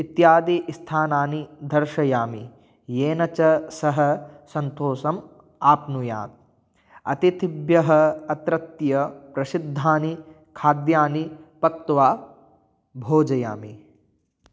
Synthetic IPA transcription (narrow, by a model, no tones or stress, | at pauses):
it̪jaːd̪iʔst̪ʰaːnaːnid̪ʱɐɾʃɐjaːmi | jeːnɐt͡ʃɐsɐɦɐ̆sɐnt̪oːsɐm | aːpnuja̰ːt̪̚ | ɐ̰t̪it̪bjɐɦɐɐt̪ɾɐt̪jɐpɾɐsid̪ʱːaːni | kʰaːd̪jaːnipɐk̚t̪ʋaː | bʱoːd͡ʒɐja̰ːmi